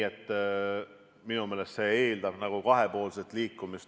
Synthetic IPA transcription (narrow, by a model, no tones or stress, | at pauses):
et̪ː | minume̞ːle̞st̪se̞eːld̪ɑb̥nɑɡ̥ukɑɦe̞po̞ːlset̪ˑliːkːˑumis